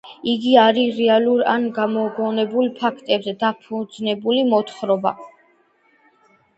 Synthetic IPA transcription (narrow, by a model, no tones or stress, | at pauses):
iɡiaɾiɾɛaluɾanɡamɔɡɔnɛbulˠpʰakʰt̪ʼɛbzɛd̪apʰud̪znɛbulimɔt̪ʰχɾɔba